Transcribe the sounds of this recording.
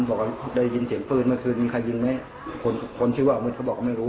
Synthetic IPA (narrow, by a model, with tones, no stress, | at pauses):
nbɔː˨˩ka˧˩da˥˩jji˧nsi˨˩˦əŋpʰɤː˧˩t̪̚maː˧˩kʰɯː˧nmiː˧kʰa˧˩jːɯ˧ŋma˦˥˨j | kʰo˧nkʰo˧˥˨nsʰwaː˧˩˨mɯ˧˩kʰa˧˩bɔ˨˩k̚ːma˥˩jɾuː˦˥